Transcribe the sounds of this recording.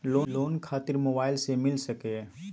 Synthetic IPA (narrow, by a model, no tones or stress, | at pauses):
loːloːnkʰaːt̪ɪɾmoːbaːɪlsemɪlsəke